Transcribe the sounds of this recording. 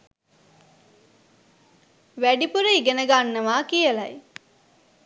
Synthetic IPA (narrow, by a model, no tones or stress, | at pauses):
ʋæɖipuɾəiɡenəɡanːəʋaːkijəlaj